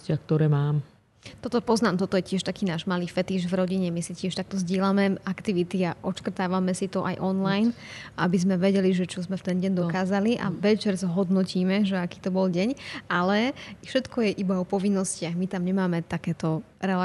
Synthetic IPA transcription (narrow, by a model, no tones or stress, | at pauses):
cɪak̚t̪ɔɾɛːmaːm | t̪ɔt̪ɔpɔznaːmt̪ɔt̪ɔjɛcɪɛʃt̪akiːnaːʒmaliːfɛt̪iʒvɾɔɟiɲɛmisicɪɛʃt̪ak̚t̪ɔzɟɪɛlamɛakt̪iʋit̪iaʔɔt͡ʃkr̩t̪aːʋamɛsit̪ɔʔa̰jʔɔnlajnʔabizmɛʋɛɟɛliʒɛt͡ʃɔzmɛft̪ɛnɟɛɲd̪ɔkaːzaliʔa̰ʋɛt͡ʃɛɾzɦɔd̪nɔciːmɛʒɛaki̥ːt̪ɔbɔlɟɛɲʔalɛfʃɛt̪kʰɔjɛʔibaɔpɔʋinːɔscɪaɣmit̪amɲɛmaːmɛt̪akɛːt̪ɔ | ɾɛla